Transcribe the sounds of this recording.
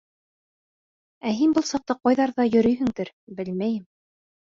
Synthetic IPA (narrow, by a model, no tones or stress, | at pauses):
æɦinbɤlˠsɑq̚t̪ɑqɑjðɑɾðɑjɵ̆ɾɵjɦɘ̆ŋd̪ɘɾ | bɘlmæjɘm